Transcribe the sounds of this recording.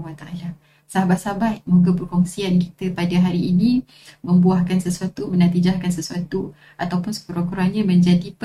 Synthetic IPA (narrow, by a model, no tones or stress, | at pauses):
wat̪aʔala | saɦabat̪̚sabat̪̚muɡapərkɔŋsianki̥t̪əpadaɦaɾiːnĩ | mə̃mbuahkansəsuat̪umənat̪id͡ʒahkansəsuat̪u | at̪awpʊnsə̥pəɾakuɾanɲãmə̃ɲd͡ʒadip